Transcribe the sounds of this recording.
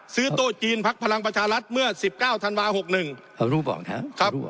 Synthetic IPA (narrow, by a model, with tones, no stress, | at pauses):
sɯː˦˥t̪uː˧˥˩t͡ɕiː˧npʰa˦˥k̚pʰa˧la˧ŋpɾa˧t͡ɕʰaː˧ɾa˦˥t̪̚mɯ˥˩ɐsi˨˩p̚kaː˥˩wt̪ʰa˧nwaː˧ho˨˩k̚nɯ˨˩ŋ˧ | ɾuː˦˥bɔ̰ː˨˩k̚na˦˥kʰɾa˦˥